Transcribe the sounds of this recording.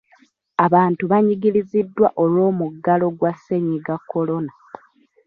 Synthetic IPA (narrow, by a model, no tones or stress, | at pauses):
aβaːntuβaɲiɡiɾizidːwa̰ʔo̞lwo̞ːmuɡːalo̞ɡwasːe̞ɲiɡakːo̞lo̞na